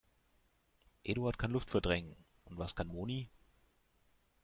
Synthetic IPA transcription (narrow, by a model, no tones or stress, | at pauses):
ʔeːɾuaɐtkʰanlʊftfɛɐdʁɛŋən | ʔʊntv̥askʰanmoːniː